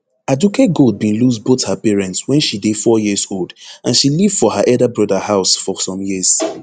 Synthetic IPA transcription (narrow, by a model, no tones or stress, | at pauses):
aduket̚ɡolˠd̚bĩnluzboθhəpɛɹɛ̃ntswɛ̃nʃidefɔjizolˠdãnʃilivdfɔhəʔɛldəbɹɔdəhaʊsfɔsɔ̃mjiz̥